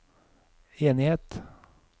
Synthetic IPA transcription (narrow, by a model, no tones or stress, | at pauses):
eːnɪheːt̪